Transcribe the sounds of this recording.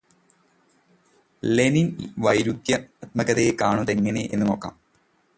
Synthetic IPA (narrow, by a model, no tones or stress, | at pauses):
leninʋɐjɾud̪jɐɐt̪̚mɐɣɐðejekaːɳuðe̞ŋːɐneʔe̞̰nːuno̞ːkːa̰ːm